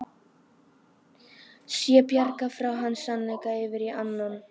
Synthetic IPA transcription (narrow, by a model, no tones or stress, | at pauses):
sjɛpjaɾkafɾawɦanːsanlɛjkaɪvɪɾiʔanːan